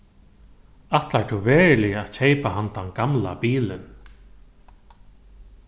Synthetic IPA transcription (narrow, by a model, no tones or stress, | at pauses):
aht̪laɹʈ̪ʰʊvɛːɹlɪat͡ɕʰejpaɦant̪anɡamla̰piːlɪn